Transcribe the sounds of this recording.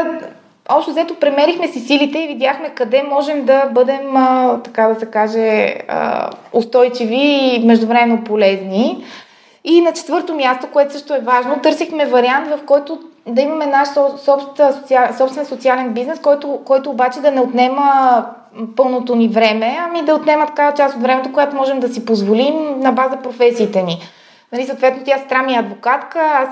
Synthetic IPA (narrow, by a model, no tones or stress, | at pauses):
ɔpʃt̪ozɛt̪opɾɛmɛɾixmɛsisilit̪ɛivid̪jaxmɛkɐd̪ɛmɔʒɛmd̪ɐbɤd̪ɛmət̪ɐkad̪ɐsɛkaʒɛə̰ost̪ɔjt͡ʃivimɛʒd̪ʊvɾɛmɛnopolɛzni | inɐt͡ʃɛ̥t̪vɤɾt̪omʲjast̪okoɛt̪ʊsəʃt̪oɛvaʒnot̪ɤɾsixmɛvɐɾiant̪vɐfkɔjt̪o | d̪ɐimɐmɛnaʃɔsɔpst̪sot̪siasɔpst̪vɛnsot̪sialɛnbiznɛskɔjt̪okɔjt̪oːbat͡ʃɛd̪ɐnɛot̪nɛmə | pɤlˠnot̪onivɾɛmɛɐmid̪ɐot̪nɛmət̪ɐ̥kavɐt͡ʃast̪ot̪vɾɛmɛt̪okojat̪omɔʒɛmd̪ɐsipozvolimnɐbazəpɾofɛsiːt̪ɛni | nɐlisot̪vɛt̪not̪jast̪ɾamiəɐd̪vokat̪kəas